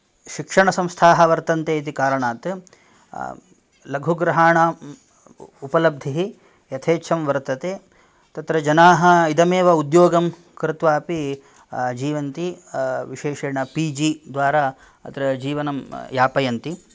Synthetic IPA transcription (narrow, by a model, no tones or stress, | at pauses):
ʃikʂɐɳɐsɐ̃mst̪ʰaːɦɐ̆ʋɐɾt̪ɐnt̪eːit̪̬ikaːɾɐɳaːt̪ | lɐɡʱuɡɾɐɦaːɳaː | upɐlɐb̚d̪ʱiɦi | jɐt̪ʰeːt͡ʃʰɐmʋɐɾt̪ɐt̪eː | t̪ɐt̪ɾɐd͡ʒɐnaːɦɐ̆id̪ɐmeːʋɐud̪joːɡɐm | kɾɪt̪ʋaːpi | d͡ʒiːʋɐnt̪iʋiʃeːʃeːɳɐpiːd͡ʒiːd̪ʋaːɾaː | ɐ̰t̪ɾɐd͡ʒiːʋɐnɐmjaːpɐjɐnt̪i